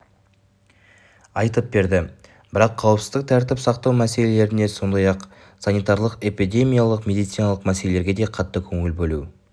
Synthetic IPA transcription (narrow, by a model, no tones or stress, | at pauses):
ɑjt̪əp̚be̞ɾd̪ɪ | bɪɾɑqʰːɑwəpsɪzd̪ɪk̚t̪ʰæɾt̪ɪpsɑqt̪ɑwmæse̞le̞le̞ɾɪne̞so̞nd̪ɑjɑq | sɑnijt̪ɑɾlˠəqe̞pid̪ʲe̞mʲijalˠəqmʲe̞d̪ijt̪sɨjnɑlˠəqmæse̞le̞leɾɡʲe̞d̪e̞qʰɑt̪ːəkʲʰɵŋɪlbɵlu